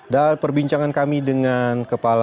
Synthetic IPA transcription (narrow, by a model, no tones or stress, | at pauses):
dapərbiɲt͡ʃaŋankamidəŋankəpala